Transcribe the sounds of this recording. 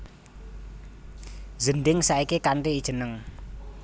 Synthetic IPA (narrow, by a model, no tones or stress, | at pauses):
zəndɪŋsaikekaɳʈiːd̥ʒ̥ə̤nəŋ